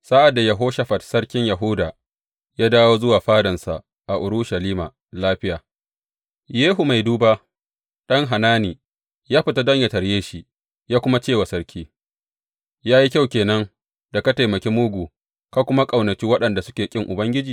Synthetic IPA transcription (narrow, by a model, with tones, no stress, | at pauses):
sa˦ʔa˨dːa˨jɐ˨ɦoː˦ʃɐ˦ɸɐ˨tsɐ˦ɽkʲɪ˦ɲjɐ˨ɦʊ˦daː˨ | jaː˦daː˦woː˦zʊ˦waː˨ɸaː˦dɐ˨nsa˨ʔ | ʔa˨ʔʊ˨ɾʊ˦ʃa˨liː˦maː˨ | laː˦ɸɪ˦jaː˨ | jeː˦ɦu˨ma˨jduː˦ba˦ | ɗɐ˦ŋɦa˨naː˦niː˨ | jaː˦ɸɪ˨ta˦dɐ˦ɲja˨tɐ˨ɽjeː˦ʃi˦ | jaː˦kʷʊ˦ma˦t͡ʃeː˦˨wa˨sɐ˦ɾkʲiː˦ | jaː˦ji˦kʲa˦˨wkʲeː˨nɐ˦ŋ | da˨kɐ˦ta˨jmɐ˨kʲeː˦mʊ˦ɡʷu˨ | ka˦kʷʊ˦ma˦kʼɐ˨wnɐ˨kʲiː˦wɐ˦ɗɐ˨nda˨sʊ˦kʲeː˨kʲʼɪ˦ŋʔʊ˨bɐ˦ŋɡʲɪ˦d͡ʒiː˨